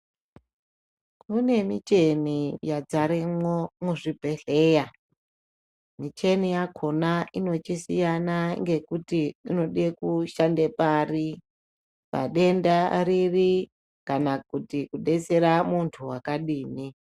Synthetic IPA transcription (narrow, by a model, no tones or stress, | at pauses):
kune̞mit͡ʃe̞nijad͡zaɾemomuʐibʱe̞ɬe̞ːja | mit͡ʃe̞nijakʰo̞naino̞t͡ʃisijanaŋɡe̞kutiːno̞ɗekuʃandepari | pa̰ɗe̞ndariri | kanakutikuɗe̞t͡se̞ɾamuntʰuwakaɗiːni